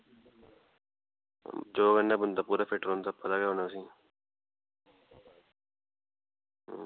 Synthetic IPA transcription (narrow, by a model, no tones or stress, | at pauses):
d͡ʒoːɡənːãːbʊnd̪aːpuːɾaːpʰeːʈɾoːnd̪aːpət̪aːɡeːɦonaːsĩː